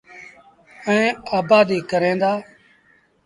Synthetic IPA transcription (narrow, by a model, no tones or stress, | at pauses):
əẽːaːbaːd̪iːkəɾẽːnd̪aː